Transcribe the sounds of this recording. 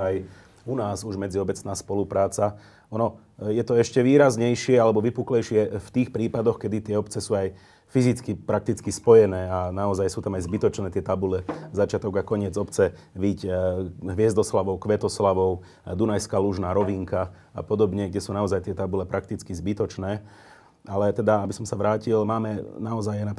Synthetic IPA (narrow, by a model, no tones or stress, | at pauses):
aj | unaːzuʒmɛd͡ziɔbɛt͡snaːspɔlupɾaːt͡sa | ɔnɔ | jɛt̪ɔɛʃcɛʋiːɾazɲɛjʃɪɛalɛbɔʋipuklɛjʃɪɛft̪iːxpɾiːpad̪ɔxkɛd̪it̪ɪɛɔpt͡sɛsuːaj | fizit͡skipɾak̚t̪it͡skispɔjɛnɛːanaɔzajsuːt̪amajzbit̪ɔt͡ʃnɛːt̪ɪɛt̪abulɛzat͡ʃɪat̪ɔɡakɔɲɪɛd͡zɔpt͡sɛ | ʋiɟɦʋɪɛzd̪ɔslaʋɔʊkʋɛt̪ɔslaʋɔʊ | d̪unajskaluʒnaːɾɔʋiŋka | a̰pɔd̪ɔbɲɛɡdɟɛsuːnaɔzajt̪ɪɛt̪abulɛpɾʔak̚t̪it͡skizbit̪ɔt͡ʃnɛː | alɛt̪ɛd̪aabisɔmsaʋɾaːcilmaːmɛnaɔzajana